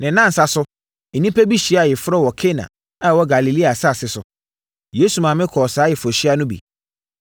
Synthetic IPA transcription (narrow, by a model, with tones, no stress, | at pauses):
nɪ̃˨nã˦n̩˨sa˦sʊ˦ | e˨nĩ˦pɛ˦bi˦ɕi˨˦a˨jɪ˨fʊ˦ɾɔ˦wɔ˨kʰe˦nã̰˨ | a˦wɔ˦ɡa˨li˨li˦a˨sa˦˨sɪ˨˦sʊ˨ | jeː˦su˨mã˨mɪ̃˦kʰɔ˨saː˨˦jɛ˨fɔ˨ɕi˦a˦nʊ̃˦bḭ˨